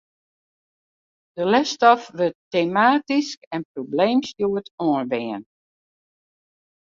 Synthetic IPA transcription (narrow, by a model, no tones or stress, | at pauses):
d̥əlɛstɔfʋəteːmaːtiskɛnprobleːmsjuətɔənʋɪːən